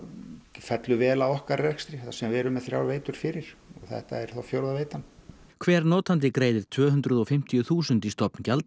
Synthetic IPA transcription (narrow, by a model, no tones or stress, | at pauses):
fɛt̪lʏvɛːlawɔhkarrɛkst̪ɾɪasɛmvɛɾʏmɛðθɾja̰wɾveːjt̪ʏɾ̥fɪɾɪɾ̥ɔɣθɛ̰ht̪a̰ɛɾ̥θawfjowɾðaveːjt̪an | kʰvɛːɾnɔːt̪ant̪̬ɪkɾeːjðɪɾ̥t̪ʰvœːɦʏnt̪ɾʏðɔfɪm̥t̪ijʏθuːsʏnt̪ist̪ɔpncalt̪